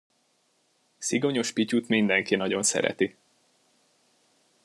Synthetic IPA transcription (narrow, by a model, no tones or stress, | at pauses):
siɡo̞ɲo̞ʃpicut̪mind̪ɛŋkinɒɟo̞nsɛ̰ɾɛ̰t̪i